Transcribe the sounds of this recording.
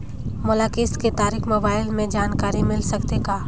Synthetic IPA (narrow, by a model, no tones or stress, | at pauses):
mʊlakɪsket̪aːɾiːkmoːbaːɪlmẽd͡ʒaːnkaːɾimɪlsɐkt̪eɡaː